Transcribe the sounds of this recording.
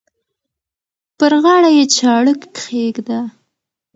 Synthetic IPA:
pəɾɣɑɽajet͡ʃɑɽəkxeɡd̪a

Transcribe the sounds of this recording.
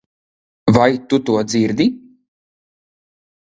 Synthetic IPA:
vajt̪ut̪uɔd̪ziɾd̪i

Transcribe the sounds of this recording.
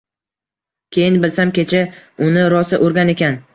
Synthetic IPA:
kʲʰe̞jɪnbɪlsamkʲʰet͡ʃʰaʊnɪɾɒsɪʔoɾɡʲane̞kʲʰan

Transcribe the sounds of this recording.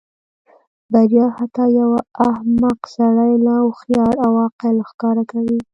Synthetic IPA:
d̪aɾjɑhat̪ɑjawaːhmaqsaɽajlawxjɑɾawɑqɪlxkɑɾakawi

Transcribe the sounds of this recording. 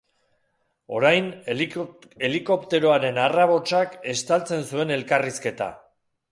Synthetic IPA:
o̞ɾajn | e̞liko̞pt̪e̞ɾo̞aɾe̞naraβo̞t͡ʃake̞st̪alt͡se̞nsue̞ne̞lkariske̞t̪a̰

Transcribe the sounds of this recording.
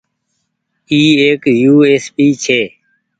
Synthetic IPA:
iːeːkjuːeːspiːt͡ʃʰeː

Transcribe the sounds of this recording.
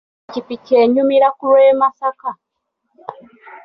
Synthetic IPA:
t͡ʃipit͡ʃeɲumiɾakuɾemasaka

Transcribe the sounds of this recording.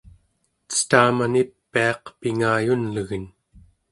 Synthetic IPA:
t͡sə̥t̪aːmanipːiɑqpiŋaːjunləɣən

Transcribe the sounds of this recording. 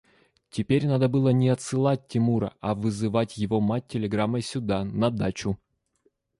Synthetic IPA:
tʲɪpʲeɾʲnad̪əbɨlˠənʲɪɐt̪sɨlˠat̚ʲtʲːɪmuɾə̰ɐvɨzɨvatʲjɪvomat̚ʲtʲːɪlʲɪɡɾamːəsʲʊd̪anɐd̪at͡ɕʊ

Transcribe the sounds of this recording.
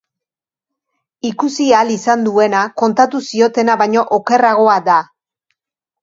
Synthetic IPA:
ikusialisand̪ue̞nako̞nt̪at̪usio̞t̪e̞naβaɲo̞ʔoke̞raɣ̞o̞ad̪a

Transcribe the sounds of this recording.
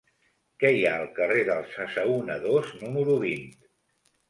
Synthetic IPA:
kɛjaəlˠkəreðəlˠsəsəunəðoznuməɾuβ̞int̪

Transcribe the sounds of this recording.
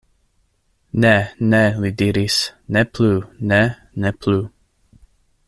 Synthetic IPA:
nɛnɛlidiɾisnɛpʰlunɛ | nɛpʰlu

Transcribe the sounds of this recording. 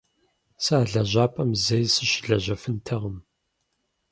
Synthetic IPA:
saːɮɐʑʷaːpʼɐmzɐjsɨɕɪɮɐʑɐfɨntʰɐʁəm

